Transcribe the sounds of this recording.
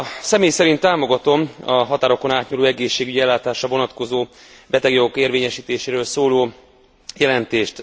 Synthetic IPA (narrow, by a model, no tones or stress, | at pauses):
sɛmeːjsɛɾint̪ːaːmo̞ɡɒt̪o̞mɒɦɒt̪aːɾo̞ko̞naːt̪ɲuloːɛɡeːʃːeːɡyɟiɛlːaːt̪aːʃrɒvo̞nɒt̪ko̞zoː | bɛt̪ɛɡjo̞ɡo̞keːrveːɲɛʃiːt̪eːʃeːɾøːlsoːloː | jɛlɛnt̪eːʃt̪